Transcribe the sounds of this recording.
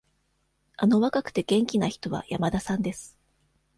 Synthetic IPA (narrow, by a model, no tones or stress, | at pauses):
ano̞βakakɯ̟̥t̪e̞ɡ̥ẽ̞ŋkʲinaçi̥t̪o̞βa̰jamad̪asãnd̪e̞sɨ̥